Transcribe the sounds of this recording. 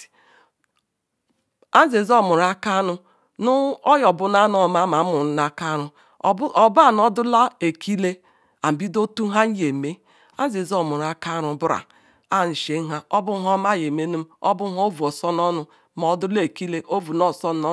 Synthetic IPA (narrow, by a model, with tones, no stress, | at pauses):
a˦n˦ze˨zɔ˦˨mʊ˨ɾa˦ka˦nʊ˦ | nʊ˦ɔ˦jɔ˨bʊ˦na˦nɔ˨ma˨˦ma˨˦mʊ˨ɾ̩˦na˦ka˦ɾʊ˦˨˦ | ɔ˨ba˨nɔ˦dʊ˦la˦e˨kʰi˦le˦ | a˨m̩˨bi˦do˦tu˦ɦa˦n̩˦je˨me˦ | a˦n˦ze˨zɔ˦mʊ˨ɾa˦ka˦ɾʊ˨bʊ˦ɾa̰˨ | a˦˨ni˨ʃe˨˦ŋ̩˦ɦa˦ɔ˦bʊ˦ɦɔ˦ma˦˨je˨me˦nu˦m˦ɔ̰˦bʊ˦ɦɔ˦o˦vu˨ɔ˨sɔ˦nɔ˦nʊ˨ | m˨ɔ˨dʊ˦le˨ki˦le˦ʔo˦vu˨nɔ˦sɔ˦n˦ɔ˦